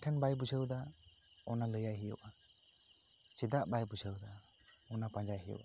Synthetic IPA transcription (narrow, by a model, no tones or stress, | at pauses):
tʰɛnbajbud͡ʒəwd̪aɔnaləjajɦijɔ̰wʔa | t͡ʃid̪aʔbajbud͡ʒəwd̪aɔnapand͡ʒajɦijɔ̰ʔa